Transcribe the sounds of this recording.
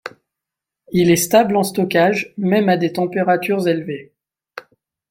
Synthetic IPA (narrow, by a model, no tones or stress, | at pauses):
ilɛst̪ablɑ̃st̪ɔkaʒmɛmad̪et̪ɑ̃peʁat̪yʁzelve